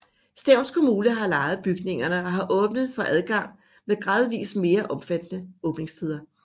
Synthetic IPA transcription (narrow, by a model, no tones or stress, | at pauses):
sd̥æʊnskʰo̝muːnəɦɑ̈lɑ̈ːɪð̞̩ˠb̥yɡ̥ne̝ŋɐnəɒ̽ɦɑ̈ʔɔ̽ːb̥nəð̞ˠfɒ̽ʔæð̞ˠɡ̥ɑ̈ŋ̰ | meðˠɡ̥ʁɑ̈ːð̞ˠʋḭːsme̝ːɐʔɒ̽mfæd̥nəɔ̽ːb̥ne̝ŋst͡sʰið̞ˠɐ